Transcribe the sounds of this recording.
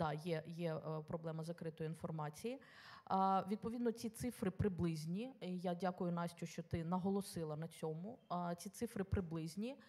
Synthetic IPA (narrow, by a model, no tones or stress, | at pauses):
d̪ɑjɛjɛpɾɔblˠɛmɐzɐkɾɪt̪ɔjinfɔrmɑt͡sʲiji | ʋʲid̪̚pɔʋʲid̪nɔt͡sʲit̪sɪfɾɪpɾɪblˠɪzʲnʲiijadʲakʊjʊnɑsʲt͡ʃʲʊʃt͡ʃɔt̪ɪnɐɦɔlˠɔsɪlˠɐnɐt͡sʲɔmʊt͡sʲit̪sɪfɾɪpɾɪblˠɪzʲnʲi